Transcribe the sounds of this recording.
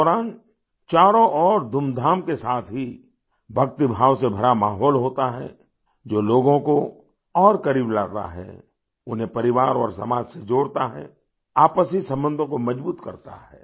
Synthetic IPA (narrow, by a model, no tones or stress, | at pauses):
ɔɾaːn | t͡ʃaːɾõʔɔːɾd̪ʱʊmd̪ʱaːmkesaːt̪ʰɦi | bʱɐk̚t̪ibʱaːwsebʱɐɾamaːɦɔːlɦoːt̪aɦɛ̰ | d͡ʒoːloːɡõko | ɔːɾkɐɾiːblaːt̪a̰ɦɛ̰ː | ʊnɦẽpɐɾɪʋaːɾɔ̰ːɾsɐ̰maːd͡ʒsed͡ʒoːɽt̪aɦɛ̰ | aːpəsisɐ̃mbə̃nd̪ʱõkomɐd͡ʒbuːt̪kɐ̰ɾt̪a̰ɦɛ̰ː